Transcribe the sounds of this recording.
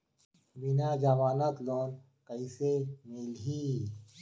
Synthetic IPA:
binaːd͡ʒaʋaːnat̪loːn | kəisemilɦi

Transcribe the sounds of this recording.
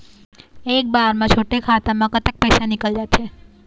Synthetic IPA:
ek̚baɾmãt͡ʃʰoʈekʰat̪amãkət̪ək̚pəjsanikəld͡ʒat͡ʃʰe

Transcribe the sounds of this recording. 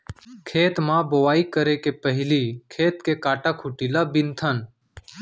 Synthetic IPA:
kʰeːt̪mãːboʋaːiːkəɾeːkeːpəɦɪliːkʰeːt̪keːkaːʈãːkʰʊʈiːlaːbɪnt̪ʰən

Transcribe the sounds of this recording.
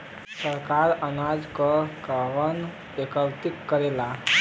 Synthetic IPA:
səɾkaɾənad͡zkəkaʋən | ekəlt̪ikːəɾela

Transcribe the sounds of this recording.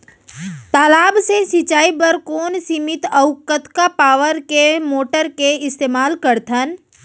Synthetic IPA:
t̪aːlaːbsesɪt͡ʃaːibəɾkoːnsimɪt̪əʊkːət̪kapaːʋəɾkemoːʈəɾkeɪst̪eːmaːlkəɾt̪ʰən

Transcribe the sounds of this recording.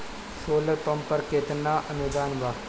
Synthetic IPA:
soːləɾpɐmpəɾkeːt̪naːʔɐnud̪aːnʋaː

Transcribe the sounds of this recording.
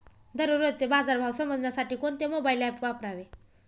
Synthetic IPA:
d̪ʱəɾuɾod̪̚t͡sebad͡zaɾbʱawsəməd͡zʱnjasaʈiːkoɳt̪emobajlapʋapɾaʋe

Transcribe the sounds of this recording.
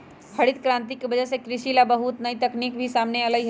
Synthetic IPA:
hʰɐɽɪt̪kɾãːnt̪ikebɐd͡ʒɛɦsekɾɪʃilabəɦʊt̪nɐit̪ɐkniːkbʱisaːmneɐləɡɦ

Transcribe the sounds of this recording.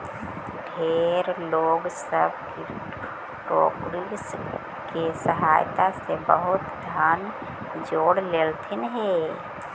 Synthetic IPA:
ɖʱeːɾloːɡsəb̚ki | pɾoːkɾis | kesəɦaːjt̪asebəɦʊt̪d̪ʱan | d͡ʒoːɽleːlt̪ʰinɦe

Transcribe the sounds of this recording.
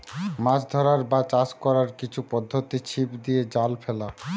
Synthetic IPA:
mad͡ʑd̪ʱɔɾaɾbat͡ɕaskɔɾaɾkit͡ɕʰupɔd̪ʱːot̪it͡ɕʰipd̪ied͡ʑalfɛla

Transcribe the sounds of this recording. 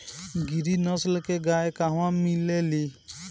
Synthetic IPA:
ɡiɾinɔslkeɡajekaɦwãmileli

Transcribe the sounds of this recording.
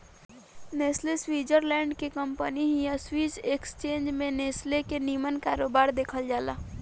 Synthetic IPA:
neːsleswiːd͡ʒəɾlɛ̃ːɳɖkekəmpəniɦijaswiːsekst͡ʃeːnd͡ʒmẽneːslekeniːmənkaːɾoːbaːɾd̪eːkʰəld͡ʒaːla̰ː

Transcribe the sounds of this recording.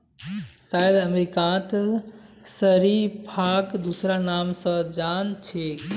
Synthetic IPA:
sajd̪əmɾikãt̪ | səɾipʰakd̪usɾanamsə̃d͡ʒant͡ʃʰek

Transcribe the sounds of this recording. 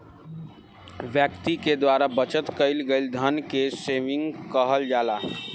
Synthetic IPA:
ʋjəkt̪iked̪waɾabət͡ʃət̪kəɪlɡeld̪ʱənkeseʋiŋɡkəɦəld͡ʒala

